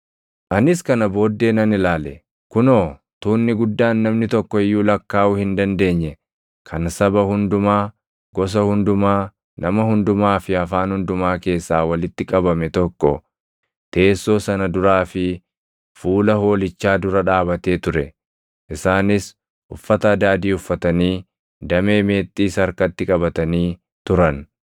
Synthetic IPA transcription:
ʔɐnɪskɐnɐbo̞ːd̪ːe̞ːnɐnɪlaːlɛ | kʊnoː | t̪uːnːɪɡʊd̪ːaːnːɐmnɪt̪ɔkːɔɪjːuːlɐkːaːʔʊhɪnd̪ɐnd̪e̞ːɲːɛ | kʰɐnsɐbɐhʊnd̪ʊmaː | ɡɔs̬ɐhʊnd̪ʊmaː | nɐmɐhʊnd̪ʊmaːfɪɐfaːnhʊnd̪ʊmaːke̞ːsːaːwɐlɪt̪ːɪkʼɐbɐmɛt̪ɔkːɔ̰ | t̪e̞ːsːo̞ːsɐnɐd̪ʊɾaːfɪ | fuːlɐho̞ːlɪt͡ʃːaːd̪ʊɾɐᶑaːbɐt̪e̞ːt̪ʊɾɛ | ʔɪsaːnɪs | ʔʊfːɐt̪ɐɐd̪aːd̪iːʊfːɐt̪ɐniː | d̪ɐme̞ːme̞ːt̪ʼːiːsɐɾkɐt̪ːɪkʼɐbɐt̪ɐniː | t̪ʊɾɐn

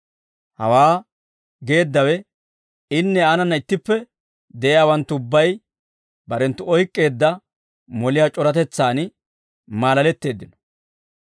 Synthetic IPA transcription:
hɐ̰waː | ɡe̞ːd̪ːɐwɛ | ɪnːɛanɐnːɐɪt̪ːɪpːɛ | d̪ɛʔɛjaːwɐnt̪ːʊʊbːɐj | bɐɾɛnt̪ːʊɔjkʼːe̞ːd̪ːɐ | mɔlɪjaːt͡ʃʼɔɾɐt̪ɛt͡sːaːn | maːlɐlɛt̪ːe̞ːd̪ːɪnɔ̥

